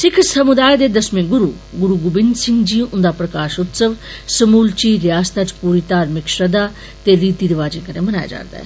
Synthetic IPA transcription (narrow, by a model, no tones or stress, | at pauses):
sɪkʰsɐmʊd̪aːjd̪eːd̪ɐsmẽːɡʊɾuː | ɡʊɾuːɡʊbɪnd̪sɪ̃ŋɡd͡ʒĩʔʊ̃nd̪aːpɾɐkaːʃʊt̪səʋsɐmuːlt͡ʃiːɾjaːst̪ət͡ʃpuːɾit̪aːɾmɪkʃɾɐd̪a | t̪eɾiːt̪iɾɪʋaːd͡ʒẽːkɐnemɐnaːja̰d͡ʒa̰ːɾd̪a̰ːɦɛ̰ː